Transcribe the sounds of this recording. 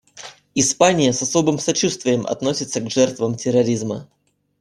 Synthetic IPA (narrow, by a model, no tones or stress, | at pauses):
ɪspanʲɪjəsɐso̞bɨmsɐt͡ɕust̪vʲɪjəmʔɐ̰t̪no̞sʲɪt̪səɡʐɛrt̪vəmtʲɪɾɐɾʲizmə